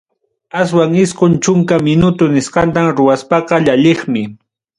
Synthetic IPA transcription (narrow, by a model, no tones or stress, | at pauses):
aswaŋɪsqont͡ʃʊŋkamɪnʊt̪ʊnɪsqɑnt̪amɾʊwaspɑqɑʎaʎeχmɪ